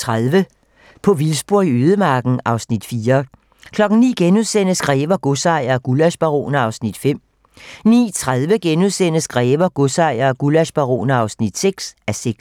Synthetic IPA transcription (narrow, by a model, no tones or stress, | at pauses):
t͡sʰʁaðˠʋə | pʰɒ̽ʋilsb̥uɐ̰iøːð̞ˠəmɑ̈ːɡ̥n̩ʔɑ̈ʊsnid̥fiːɐ | kʰlɒ̽ɡ̥n̩nḭːɡ̥enuðˠsenəsɡ̥ʁɛːʋɐɡ̥osɑ̈ɪ̰ɐɡ̥ulæɕb̥ɑʁo̝̰ːnɐɑ̈ʊsnid̥fem̰ | nḭːt͡sʰʁaðˠʋəɡ̥enuðˠsen̰əsɡ̥ʁɛːʋɐɡ̥o̝sɑ̈ɪ̰ɐːɡ̥ulæsb̥ɑʁo̝̰ːnɐɑ̈ʊsnid̥seɡ̥sæseɡ̥s